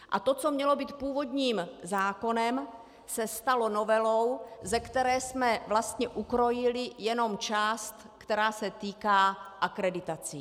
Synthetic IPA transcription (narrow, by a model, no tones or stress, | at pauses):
ʔa̰t̪o̞t͡so̞mɲɛlo̞biːt̪̚puːvo̞d̪ɲiːmzaːko̞nɛm | sɛst̪alo̞novɛlo̞wzɛkt̪ɛɾɛːsmɛvlast̪ɲɛʔukɾo̞jɪlɪjɛno̞mt͡ʃaːst̪ | kt̪ɛɾaːsɛt̪iːkaːʔakɾɛdɪt̪at͡si